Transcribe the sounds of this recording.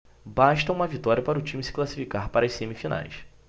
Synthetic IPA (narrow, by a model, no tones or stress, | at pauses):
baʃt̪ɐũmɐvit̪ɔɾiɐpaɾʊt͡ʃĩmisɪ̥klasi̥fikaɾpaɾɐsẽmifina̰js